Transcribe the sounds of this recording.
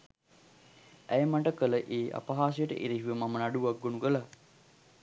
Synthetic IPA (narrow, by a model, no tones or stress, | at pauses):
æjəmaʈəkələʔeːʔa̰paɦaːs̬əjəʈə̰ʔeɾiɦiʋəmamənaɖuʋaɡ̚ːonukəla